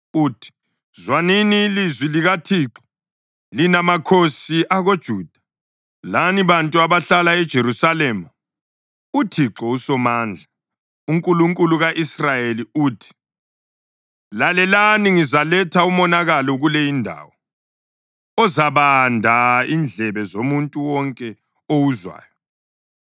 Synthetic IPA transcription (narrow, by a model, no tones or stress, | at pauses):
uːtʰi̥ | zwaniniːlizwiliɣatʰiːǁɔ̥ | linamakʰosiʔaɣod̥ʒ̥ʱuːd̥ʱa | laniβantʼuaβaɬalaɛd̥ʒ̥ʱeɾusalɛːma | utʰiǁɔusɔmaːnd͡ɮʱa | uŋkʼuluŋkʼuluɣaʔisrajeliuːtʰi̥ | lalɛlaniŋizalɛtʰaumɔnaɣalɔɣulɛjindʱa̰ːwɔ | ɔzaβandʱaind͡ɮʱɛβɛzomuntʼuwɔŋkʼɛ | owuzwa̰ːjɔ